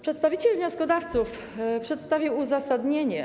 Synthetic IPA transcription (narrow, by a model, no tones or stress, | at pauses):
pʂɛt̪st̪avʲit͡ɕɛlvɲɔskɔd̪aft̪suf | pʂɛt̪st̪avʲiwuzasad̪ɲeɲɛ